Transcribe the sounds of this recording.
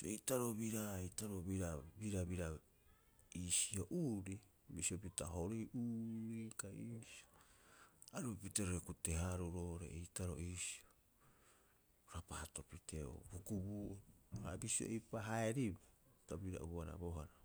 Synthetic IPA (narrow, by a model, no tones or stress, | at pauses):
ḛjtaɾo̞βiɾaejtaɾoβiɾabiɾaβiɾa | isio̞ʔuːɾi | bisiopitaɦoɾejʔuːɾikaiːsio | aɾupiteɾoɾekute̞ɦaɾuɾo̞ɾḛejtaɾo̞̰ʔiːsi̥o | ɾapaato̞piteo̰bukubuha̰bisio̰ʔejpaɦaeɾibatabiɾa̰ʔuaɾa̰boɦaɾa